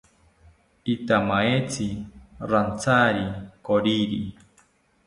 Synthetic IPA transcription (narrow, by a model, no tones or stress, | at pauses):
it̪amaet͡siɾant͡saɾikoɾiɾi